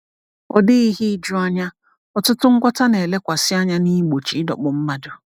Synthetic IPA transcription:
ɔ̰˨dɪ˦i˦ɦi˦d͡ʒʊ˦a˦ɲa˦ | ɔ˨tʊ˦tʊ˦ŋ̩˦ɡʷɔ˦ta˦ne˨le˦kʷa˨sɪ˦a˦ɲa˦ni˦ɡ͡bo˨t͡ʃi˨˦dɔ̰˨k͡pʊ˨m̩˦ma˦dʊ˨

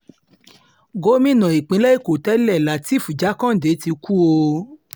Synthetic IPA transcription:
ɡo˦mĩ˦˨nã˨i˨k͡pĩ˨˦lɛ˦i˦˨ko˨tɛ˦lɛ˦˨la˨˦ti˦˨fu˨d͡ʒa˨˦kã˦˨de˨˦ti˧ku˦o˧

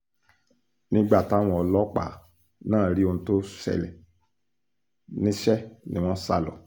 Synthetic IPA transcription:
nĩ˦ɡ͡ba˦˨ta˦w̃ɔ̃˧ɔ˧lɔ˦k͡pa̰˦˨ | nãː˦˨ɾi˦o˧nũ˧to˦sɛ̰˧˨lɛ̰˨ | nĩ˦ʃɛ˦nĩ˨˦w̃ɔ̃˦sa̰˦lɔ̰˨

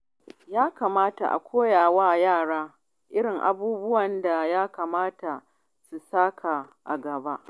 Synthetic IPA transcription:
jaː˦kaː˨maː˦ta̰˨ʔa̰˨kʷʰoː˦jaː˨waː˦˨jaː˦˨ɽaː˦ | ʔɪ˦ɽɪ˨ŋʔa̰˨buː˦bʊ˦wɐ˨nda˨jaː˦ka˨maː˦ta˨ | su˨saː˦kʰa˨ʔa˨ɡɐ˨ba˦ʔ

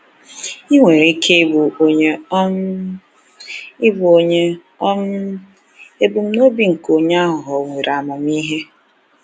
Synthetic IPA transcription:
i˦ŋʷe˨ɾe˨i˦kʰe˦i˦bu˨o˦ɲe˦ | i˦bʊ˨o˨ɲe˦ | ɔ˦n˦ | e˦bu˨m̩˦no˦bi˨ŋ̩˨ko˨ɲe˦a˦ɦʊ˨ɦɔ˨ŋʷe˨ɾa˨ma˨m˦i˦ɦe˦

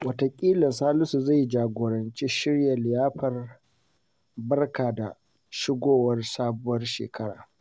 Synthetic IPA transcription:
wɐ˨tɐ˨kʲʼiː˦lɐ˨nsaː˦lʊ˦su˨za˦˨jd͡ʒaː˨ɡʷoː˨ɽɐ˨nt͡ʃiː˦ʃɪ˦ɽja˨lɪ˨jaː˦ɸɐ˨r | bɐ˦rkaː˨da˨ | ʃɪ˦ɡʷoː˦˨wɐ˦rsaː˦bʊ˦wɐ˦rʃḛː˨kɐ˦ɽa̰ː˨

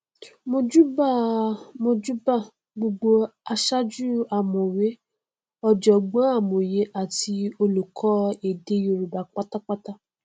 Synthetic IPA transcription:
mo˧d͡ʒu˦ba˦˨mo˧d͡ʒu˦ba˦˨ | ɡ͡bo˧ɡ͡bo˧a˧ʃa˦d͡ʒu˦a˨mɔ̃˨we˦ | ɔ˧d͡ʒɔ˨ɡ͡bɔ̃˨˦a˦˨mo˨je˨˦ʔa˨ti˧o˧lu˨kʰɔ˦e˨de˧jo˧ɾu˨ba˨k͡pa˦ta˦k͡pa˦ta˦

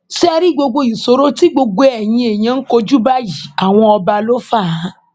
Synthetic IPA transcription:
ʃɛ˦˧ɾi˦ɡ͡bo˧ɡ͡bo˧i˨so˨˦ɾo˦ti˦ɡ͡bo˧ɡ͡bo˧ɛ˨j̃ĩ˧e˨j̃ã˨˧n̩˦ko˧d͡ʒu˦ba˦ji˨a˨w̃ɔ̃˧ɔ˧ba˧lo˦fa˦˨˦

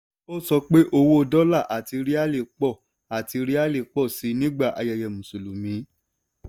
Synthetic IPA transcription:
o˦sɔ˧k͡pe˦ʔo˧wo˦o˧dɔ˦la˦˨ʔa˨ti˨˧˦ɾi˦a˦le˦˨k͡pɔ˦˨ | a˨ti˨˧˦ɾi˦a˦le˦˨k͡pɔ˦˨si˨˦nĩ˦ɡ͡ba˦˨ʔa̰˧jɛ˧˨jɛ˨mũ˨so˨lu˨mĩ˨˦

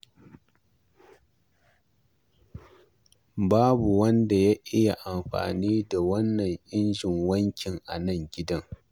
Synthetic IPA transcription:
baː˦bu˨wɐ˦nda˨ja˦ʔɪ˦ja˨ʔa˨mɸa̰ː˨niː˦da˨wɐ˦nːɐ˨ŋʔɪ˦nd͡ʒɪ˨ŋwɐ˦ŋkʲɪ˨ŋʔa̰˨nɐ˦˨ŋɡʲɪ˦dɐ˦ŋ

